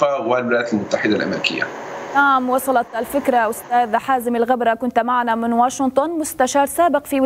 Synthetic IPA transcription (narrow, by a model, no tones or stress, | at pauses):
awalwɪlajaːt̪almʊt̪ːaħɪd̪alʔa̰mɾikɪ̰jːa̰naʕmwɑsˤɑlɑt̪ʔalfɪkɾˤaʔʊst̪aːðħaːzɪmɪlɣabɾˤɑkʊnt̪maʕanamɪnwaːʃɪnt̪ˤʊnmʊst̪aʃɑːɾˤsaːbɪqfiwɪ